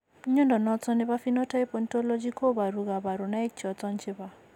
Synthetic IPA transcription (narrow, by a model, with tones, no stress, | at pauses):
ɲɔ˦ndɔ˨nɔ˦t͡sɔ˦nɪ˦βa˦fi˦nɔ˦ta˦i˦pɔ˨ntɔ˦lɔ˦d͡ʒi˦kʰo˦ba˨ɾu˨ɣa˨ba˨ɾu˨na˦i˦t͡ʃɔ˨t͡sɔ˦nt͡ʃɪ˦βa˨